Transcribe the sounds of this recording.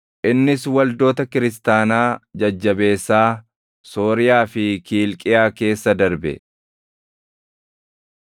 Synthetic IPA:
ʔɪnːɪswɐld̪o̞ːt̪ɐkɪɾɪs̬t̪aːnaːd͡ʒɐd͡ʒːɐbe̞ːsːaː | so̞ːɾɪjaːfɪkiːlkʼɪjaːke̞ːsːɐd̪ɐɾbɛ̰

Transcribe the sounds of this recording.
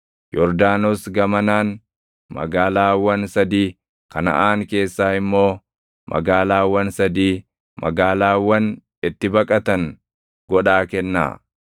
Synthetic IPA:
jɔɾd̪aːnosɡɐmɐnaːn | mɐ̰ɡaːlaːwɐnsɐd̪iː | kɐnɐ̰ʔaːŋke̞ːsːaːɪmːo̞ː | mʔɐ̰ɡaːlaːwɐnsɐd̪iː | mɐ̰ɡaːlaːwːɐn | ɪt̪ːɪbɐkʼɐt̪ɐŋ | ɡɔᶑaːkɛnːa̰ː

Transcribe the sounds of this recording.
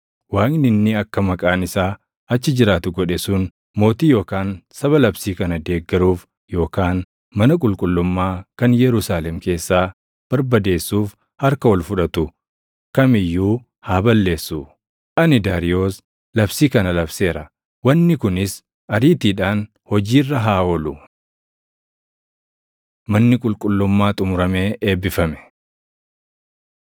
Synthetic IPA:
waːknɪnːɪɐkːɐmɐkʼaːnɪsaː | ɐt͡ʃːɪd͡ʒɪɾaːt̪ʊɡɔᶑɛsʊn | mo̞ːt̪iːjo̞ːkaːnsɐβɐlɐbsiːkɐnɐd̪e̞ːɡːɐɾuːf | jo̞ːkaːn | mɐnɐkʼʊlkʼʊlːʊmːaːkɐnjɛɾʊsaːlɛmke̞ːsːaː | b̥ɐɾbɐd̪e̞ːsːuːf | hɐɾkɐwɔlfʊᶑɐt̪ʊ | kɐmɪjːuː | haːbɐlːe̞ːsːu | ʔɐnɪd̪aːɾɪjoːs | lɐbsiːkɐnɐlɐbse̞ːɾɐ | wɐnːɪkʊnɪs | ʔɐɾiːt̪iːᶑaːn | hɔd͡ʒiːrːɐɦaːɔlʊ | mɐnːɪkʼʊlkʼʊlːʊmːaːt̪ʼʊmʊɾɐmeːʔeːbɪfɐmɛ̥

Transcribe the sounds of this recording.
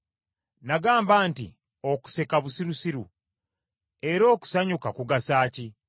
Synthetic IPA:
naɡaːmbantḭ | o̞ku̥se̞kaβusiɾusiɾu | e̞ɾo̞ːku̥saɲukakuɡasaːci

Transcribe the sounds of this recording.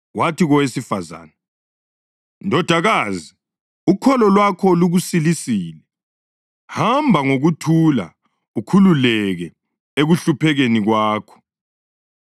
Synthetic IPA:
watʰiɣɔwesifaza̰ːnɛ | ndʱɔd̥ʱaɣaːzi | ukʰɔlɔlwakʰɔluɣusilisiːlɛ | hambʱaŋoɣutʰula̰ | ukʰululɛɣɛ | eɣuɬupʰɛɣeniɣwaːkʰɔ̥

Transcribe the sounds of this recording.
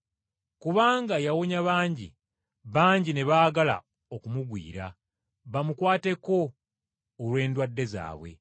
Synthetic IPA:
kuβaːŋɡajawoɲaβaːɲɟḭ | βaːɲɟine̞βaːɡala̰ | o̞kumuɡwḭːɾa | βamukwaːte̞ko̞ː | lwe̞ːndwadːe̞za̰ːβwe̞̰

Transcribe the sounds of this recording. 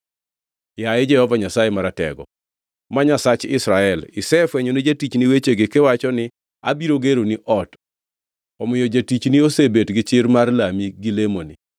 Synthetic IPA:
jaɪd͡ʒɛhɔvaɲasajemaɾatɛ̰ɡɔ̰ | maɲasat͡ʃɪ̰sɾaɛlɪsɛfwɛɲonid͡ʒatit͡ʃniwet͡ʃeɡɪkɛwat͡ʃɔnɪ | a̰biɾoɡeɾoniʔɔt | ɔmɪjɔd͡ʒatit͡ʃniosebetɡɪt͡ʃɪrmarlamiɡilemoni

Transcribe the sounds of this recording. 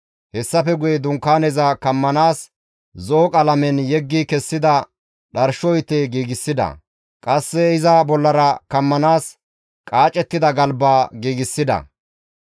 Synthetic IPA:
hɛsːɐfɛɡʊjɛd̪ʊŋkːaːnɛzɐkɐmːɐnaːs | zoːkʼɐlɐmɛnjɛɡːikɛsːɪd̪ɐ | ɗɐɾʃɔjt̪ːeɡiːɡɪsːɪd̪ɐ̰ | kʼɐsːɛɪzɐbɔlːɐɾɐkɐmːɐnaːs | kʼaːt͡ʃʼːɛt̪ːɪd̪ɐɡɐlbaːɡiːɡɪsːɪd̪ɐ̰

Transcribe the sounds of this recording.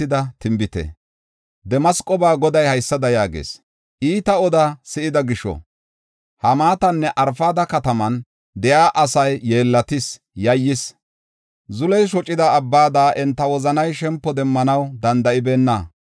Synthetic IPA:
ɪd̪ɐt̪ɪmbɪt̪ɛ̰ | d̪ɛmɐskʼɔbaːɡɔd̪ɐjhɐjsːɐd̪ɐjaːɡḛːs | ʔiːt̪ɐɔd̪asɪʔɪd̪ɐɡɪʃːɔ̰ | hɐmaːt̪ɐnːɛʔɐɾfaːd̪ɐkɐt̪ɐmɐn | d̪ɛjaːʔɐsɐjːeːlːɐt̪ɪs | jɐjːɪs | zʊlɛjʃ̬ɔt͡ʃʼɪd̪ɐːbːaːd̪aːʔɛnt̪ːɐwɔzɐnɐjʃɛmpːɔd̪ɛmːɐnɐwd̪ɐnd̪ɐʔɪbeːnːɐ

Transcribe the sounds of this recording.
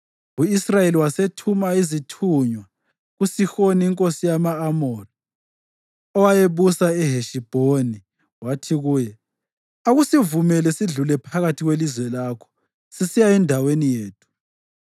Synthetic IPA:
uisrajeliwasetʰumaizitʰuɲwa | ɣusixoniiŋkʼosijamaːmɔri | ɔwajeβusaɛɦeʃib̥ʱoni | watʰiɣuːjɛ | aɣusivumɛlɛsiɮulɛpʰaɣatʰiɣwelizwɛlakʰɔ̥ | sisijaɛndʱawenijeːtʰu̥

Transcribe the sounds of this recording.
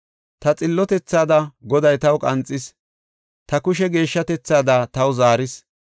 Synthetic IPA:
t̪ɐt͡sʼɪlːɔt̪ɛt͡sːaːd̪ɐɡɔd̪ɐjt̪ɐwkʼɐnt͡sʼːɪs | t̪ɐkʊʃɛɡe̞ːʃːɐt̪ɛt͡sːaːd̪aːt̪ɐwʊzaːɾɪs

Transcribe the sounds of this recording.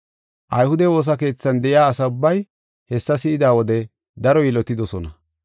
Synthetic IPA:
ʔɐjhʊd̪ɛwo̞ːs̬ɐke̞ːt͡sːɐnd̪ɛʔɪjaːsɐʊbːɐj | hɛsːɐsɪʔɪd̪aːwɔd̪ɛ | d̪ɐɾɔjɪlɔt̪ɪd̪ɔsɔnɐ

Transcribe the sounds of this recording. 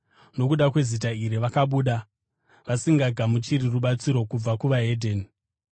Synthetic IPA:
no̞kuɗakwe̞zit̬aiɾiʋakaɓuːɗa | ʋasiŋɡaɡʱamut͡ʃiɾiruɓat͡siɾo̞kub͡vakuʋaɦe̞dʱen

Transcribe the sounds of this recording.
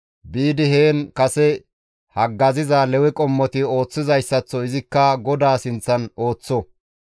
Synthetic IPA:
biːd̪ɪheːnkɐsɛ | hɐɡːɐzɪzaːlɛwɛkʼɔmːɔt̪ɪo̞ːt͡sːɪzɐjsːɐt͡sːɔɪzɪkːɐɡɔd̪aːsɪnt͡sːɐno̞ːt͡sːɔ

